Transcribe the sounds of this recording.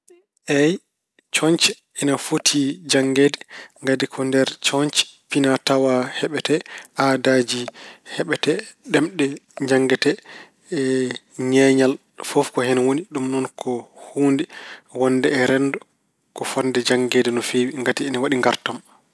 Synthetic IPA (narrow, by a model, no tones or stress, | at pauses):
ʔɛj | t͡ʃɔɲt͡ʃɛ | ɛnafotʰid͡ʒaŋɡeːdɛŋɡadikʰɔndɛɾt͡ʃɔɲt͡ʃɛ̥pinatawahɛɓɛtɛʔadad͡ʒihɛɓɛtɛɗɛmɗɛd͡ʒaŋɡɛtɛ | ɲɛɲal | fɔfkɔhɛnawoniɗumnɔnkʰɔhuːndiwɔnːdɛːɾɛnːdɔ | kɔfɔndɛd͡ʒaŋɡedɛnɔfewiŋɡatiɛnawaɗiŋɡaɾtam